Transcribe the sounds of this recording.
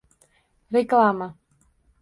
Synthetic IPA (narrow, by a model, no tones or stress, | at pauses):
ɾeklˠaːma